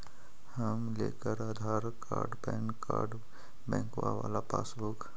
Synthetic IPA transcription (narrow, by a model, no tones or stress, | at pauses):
həmlḛːkəɾaːd̪ʱaːɾkaːɾɖbɛ̃ːŋkːaːɾɖ | bɛ̃ːŋkʋa̰ʋa̰ːlapa̰ːsbuk